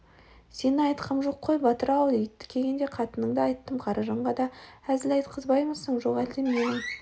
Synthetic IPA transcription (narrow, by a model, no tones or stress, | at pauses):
se̞nɑjt̪qʰəmʒo̞qʰːojbɑt̪əɾɑwd̪ejt̪ːɪ̥kʲʰe̞ɡʲe̞nd̪e̞qʰɑt̪ənəɴd̪əɑjt̪ːəmqʰɑɾɑʒɑɴʁɑd̪ɑæzɪlɑjt̪qʰəzbɑjməzsəɴʒo̞ʁæld̪emmenɪŋ